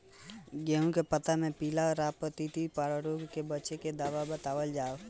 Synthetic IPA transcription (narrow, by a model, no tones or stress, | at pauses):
ɡeːɦũkepət̪amẽpiːlaɾaːpət̪it̪ipaɽəɾoɡkebət͡ʃeked̪aːʋabət̪aːʋəld͡ʒaːo